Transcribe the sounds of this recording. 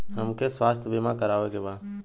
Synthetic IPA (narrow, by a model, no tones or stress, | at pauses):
həmkeːsʋaːst̪ʰbiːmãːkəɾaːʋeːkeːbaː